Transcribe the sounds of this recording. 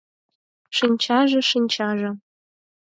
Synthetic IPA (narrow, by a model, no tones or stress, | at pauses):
ʂɨnʲt͡ʃʰaʐɐʂɨnʲt͡ʃʰaːʐɐ